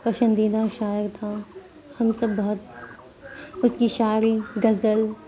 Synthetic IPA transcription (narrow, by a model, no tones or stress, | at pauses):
pɐʃə̃nd̪id̪aʃaːjəɾt̪ʰa | hɐmsɐbːɐɦʊt̪̚ | ʊskiʃaːɾiɡɐzəl